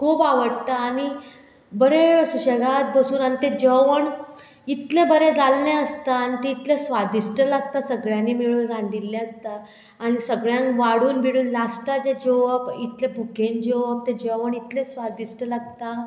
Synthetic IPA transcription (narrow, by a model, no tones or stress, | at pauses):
kʰuːpaʋəɽt̪aːñi | bəɾesuɕəɡat̪̚bəsuːnanit̪ed͡ʑəʋəɳ | it̪lẽbəɾed͡zalːẽəst̪aːnit̪eit̪lesʋad̪isʈəlaɡ̚t̪asəɡɭjãnːimiɭuːnɾãnd̪ilːɛ̃əst̪aː | ñisəɡɭjãnʋaɽuːnbiɽuːnlasʈad͡ʑed͡ʑoʋəbit̪lebʱukend͡ʑoʋəb̚t̪ed͡ʑəʋəɳit̪lẽsʋad̪isʈəlaɡ̚t̪a